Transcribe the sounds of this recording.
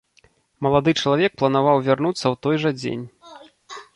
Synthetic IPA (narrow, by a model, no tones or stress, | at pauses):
mɐlˠad̪ɨt͡ʂɐlˠavʲɛk̚plˠɐnavawvʲarnut̪sːɐwt̪ɔjʐɐd͡zʲḛnʲ